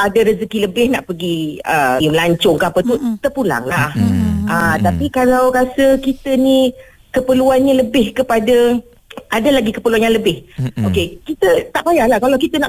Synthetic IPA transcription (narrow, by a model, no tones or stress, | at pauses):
ʔadaɾəsəkiləbɪhnaʔpəɡiəjŋlaɲt͡ʃʊŋkaapət̪ut̪ərpula̰ŋlahʔət̪apikalawkasəkit̪əni | kəpəluanɲaləbɪhkəpadə | ʔadalaɡikəpərluanjaŋləbɪhokekit̪ət̪aʔpajalahkalawkit̪ənaʔ